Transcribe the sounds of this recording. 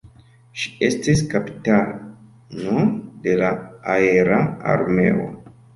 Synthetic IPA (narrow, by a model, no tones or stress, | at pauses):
ʃi̥e̞stiskapi̥ta | node̞laaeɾaa̰ɾme̞̰o̞̰